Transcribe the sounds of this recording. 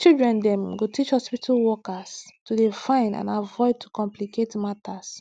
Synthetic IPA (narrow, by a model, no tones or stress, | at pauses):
t͡ʃildɹɛ̃ndɛ̃mɡotit͡ʃhɔspitʰalwɔkastudefãɪ̃ndã̰navɔɪd̚tʰukɔ̃mpliketmatas